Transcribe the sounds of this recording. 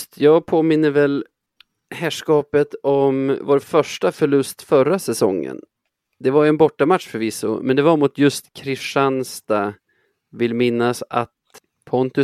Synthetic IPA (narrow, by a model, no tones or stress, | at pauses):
t̪ʰjɑːɡ̚pʰoːmɪnːəvɛl | hæːʂkɑːpət̪ɔmvoːɾfœʂʈafœɭɵst̪fœɾasɛsɔ̰ŋːə̰n | d̪ɛvaɾjɛnbɔʈːamat̪ʂfœɾvɪsʊ̰mɛnd̪ɛvaɾmʊt̪jɵst̪kʰɾɪʂanst̪a | vɪlːmɪnːasa̰t̪ | pʰɔnt̪ɵ